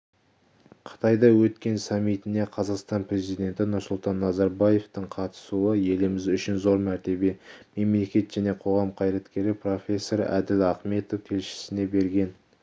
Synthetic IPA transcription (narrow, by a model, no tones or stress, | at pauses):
qʰə̥t̪ʰɑjd̪ɑwɵt̪kʲe̞nsɑmːijt̪ɪne̞qʰɑzɑqst̪ɑnpre̞zijd̪ʲe̞nt̪ɪnʊɾsʊlˠt̪ɑnːɑzɑɾbɑje̞ft̪əɴqʰɑt̪ə̥suəje̞lɪmɪzʏʃɪnzo̞ɾmæɾt̪e̞be̞me̞mle̞kʲe̞t̪ʒ̥æne̞qʰo̞ʁɑmqʰɑjɾɑt̪kʲe̞ɾɪpro̞fʲe̞sːo̞ɾæd̪ɪlɑχme̞t̪ofkʲʰe̞lʃɪ̥sɪne̞be̞ɾɡʲe̞n